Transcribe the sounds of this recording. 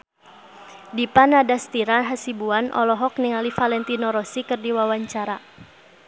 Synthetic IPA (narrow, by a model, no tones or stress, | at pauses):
dipanadast̪iɾanɦasibuanʔɔ̰lɔɦɔk̚niŋalifalɛnt̪inɔɾɔsikɨrdiwawaɲt͡ʃaɾa